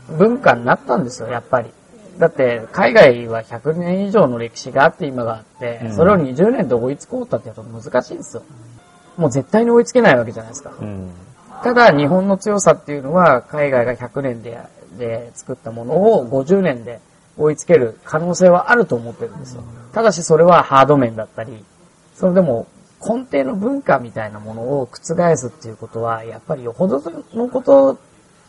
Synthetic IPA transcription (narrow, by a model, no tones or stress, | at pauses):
bɯ̟̃ŋkãɲ̟ʲːat̪ːãnd̪e̞sɨjo̞japːaɾʲi | d̪at̪ːe̞kaiɡaiβaçakɯ̟nẽ̞ɰ̃iʑo̞ːno̞ɾe̞kʲi̥ɕiɡaːt̪ːe̞imaɡaːt̪ːe̞so̞ɾe̞oɲ̟iʑɨːnẽnd̪e̞o̞it͡sɨ̥ko̞ːt̪ːat̪ːejt̪omɯ̟zɨkaɕiːnd̪esɨjo̞ | mo̞ːze̞t̪ːaiɲ̟io̞it͡sɨ̥ke̞naiβak̬e̞ʑanaisɨ̥kḁ | t̪ad̪aɲ̟iɦõ̞nːo̞t͡sɨjo̞sat̪ːe̞jɯ̟no̞βakaiɡaiɡaçakɯ̟nẽ̞nd̪ed̪e̞t͡sɨ̥kɯ̟t̪ːamo̞no̞ːɡo̞ʑɨːnẽ̞nd̪e̞ | o̞it͡sɨ̥ke̞ɾɯ̟kʰano̞ːse̞ːβaʔaɾɯ̟t̪o̞ːmot̪ːe̞ɾɯ̟nd̪e̞sɨjo̰t̪ad̪aɕ̬iso̞ɾe̞βahaːd̪o̞mẽ̞nd̪at̪ːaɾʲi | sonod̪e̞mo̞ | kʰõ̞nt̪e̞ːno̞bɯ̟̃ŋkamʲit̪ainamo̞no̞ːkɯ̟̥t͡sɨɡaesɨt̪ːe̞iɯ̟ko̞t̪o̞βajapːaɾʲijo̞hod̪ono̞ko̞t̪o̞